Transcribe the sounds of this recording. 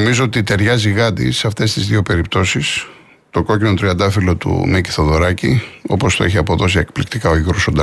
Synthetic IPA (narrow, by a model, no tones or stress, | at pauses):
mizo̞ot̪it̪e̞ɾʝɐziɣɐd̪ḭseɐft̪e̞st̪izðiope̞ɾip̚t̪o̞sis | t̪o̞ɡo̞cino̞t̪ɾiɐnd̪ɐfilo̞t̪ṵmici̥θoðo̞ɾɐcio̞po̞st̪o̞içiɐpo̞ðo̞siekplikt̪ikɐoʝiɣɾosond̪ɐ